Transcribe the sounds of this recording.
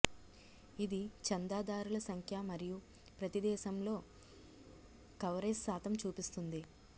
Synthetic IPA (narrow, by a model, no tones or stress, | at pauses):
id̪it͡ʃɐnd̪aːd̪aːɾulɐsɐŋkʰjamɐɾiju | pɾɐt̪id̪ɛːʃɐmlo̞ː | kɐwɾesːaːt̪ɐmt͡ʃuːpist̪und̪i